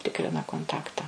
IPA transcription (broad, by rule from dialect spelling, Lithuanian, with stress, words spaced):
ˈtʲɪkrʲɪnɐ koːnˈtɑːktɐ